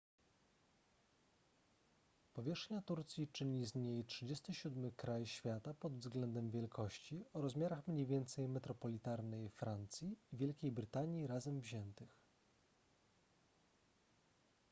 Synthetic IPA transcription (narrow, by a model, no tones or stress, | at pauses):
pɔvʲjɛʂxɲat̪uɾt̪sʲjit͡ʂɘɲizɲejtʂɘd͡ʑest̪ɘɕud̪mɘkɾajɕfʲjat̪apɔd̪vzɡlɛnd̪ɛmvʲjɛlkʰɔɕt͡ɕiɔɾɔzmʲjaɾaxmɲejvʲjɛnt̪sɛjmɛt̪ɾɔpɔlʲit̪aɾnɛjfɾant̪sʲjiːvʲjɛlkʲejbɾɘt̪aɲjiɾazɛmvʑɛnt̪ɘx